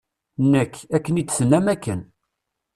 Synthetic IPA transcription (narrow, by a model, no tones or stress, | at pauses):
nːəkːækːənit͡s̪ːθənːæmækːən